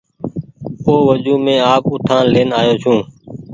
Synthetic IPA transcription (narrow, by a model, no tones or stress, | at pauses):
oːʋəd͡ʒuːmẽːaːkʊʈʰãːleːnaːjoːt͡ʃʰũː